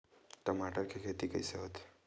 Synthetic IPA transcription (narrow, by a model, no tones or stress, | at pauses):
ʈəmaʈəɾkʰekʰet̪ikəiseɦot̪